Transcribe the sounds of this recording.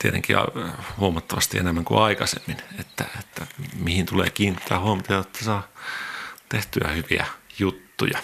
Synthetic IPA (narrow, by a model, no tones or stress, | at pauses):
t̪iet̪ḛŋkiɑ̰huomɑt̪ːɑʋɑst̪ienemːæŋkṵɑikɑsḛmːinet̪ːæ̰et̪ːæmihint̪ulḛːkiːnit̪ʰːæːhuomɑt̪ɑjɑjot̪ːæsɑː | t̪eht̪yæ̰hyʋiæ̰jut̪ːujɑ